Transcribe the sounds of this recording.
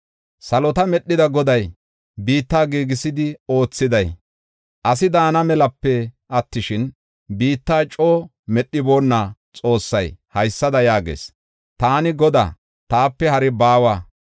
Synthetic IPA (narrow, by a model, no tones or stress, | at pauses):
sɐlɔt̪ɐmɛɗːɪd̪ɐɡɔd̪ɐj | biːt̪ːaːɡiːɡɪsɪd̪ɪo̞ːt͡sːɪd̪ɐj | ʔɐs̬ɪd̪aːnɐmɛlɐpːɛ | ɐt̪ːɪʃɪn | biːt̪ːaːt͡ʃʼoː | mɛɗːɪbo̞ːnːa | t͡sʼo̞ːsːɐjhɐjsːɐd̪ɐjaːɡḛːs | t̪aːnɪɡɔd̪a̰ː | t̪aːpːɛhɐɾɪbaːwaː